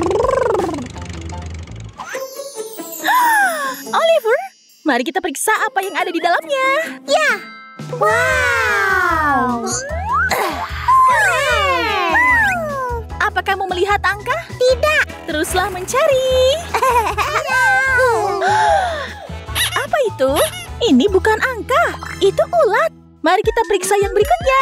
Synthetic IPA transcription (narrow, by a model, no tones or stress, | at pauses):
ʔolivʊr | maɾikit̪apəɾiksaʔːpajaŋadadidalamɲaja | wa | ʔapakahmoməliɦat̪aŋkaht̪idaʔt̪əɾʊslahməɲt͡ʃaɾi | ʔapait̪uinibukanʔaŋkahit̪uʔulat̪̚ | maɾikit̪apəɾiksajaŋbəɾikʊt̪̚ɲa